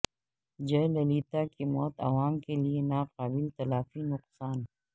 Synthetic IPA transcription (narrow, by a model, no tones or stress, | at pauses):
d͡ʒɐlɐliːt̪akimɔːt̪ɐ̰ʋaːmkelienaːqaːbɪlt̪ɐlaːfinʊqsaːn